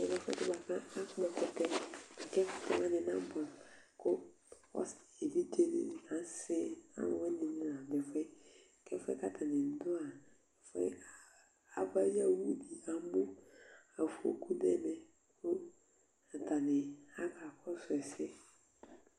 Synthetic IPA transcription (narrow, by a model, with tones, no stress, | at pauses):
ɛ˨bɛ˦fɛ̰˦tɪ˦ba˨kã˦a˦kʊ˦mã˨kʊ˨tɛ˦ɛ˨kɛ˦fʊ̥˦tɛ˦mã˦nɪ˨nã˦bʊ˨a˨kʊ˦ | ɔ̰˦se˨bi˦d͡ʒe˦nɪ̰˨ã˨˦sɪ˦a̰˦n˨wɛ˦nɪ̃˨nɪ̃˦nã˨bɛ˨fɛ˦˨ | kɛ˦fɛ̰˦ka˦tʰa˨nɪ˨n̩˦dʊ˦a˨ | fɔ̰˦ | a˨ba˦ja˦wu˦di˨ã˨˦bʊ˦a˨fo̰˦kʰu˦nɛ˦˨mɛ˦ | kʊ˦ | a˨ta˨nɪ˨a˦ka˨kɔ˦sʊ˨ɛ˨sɪ˦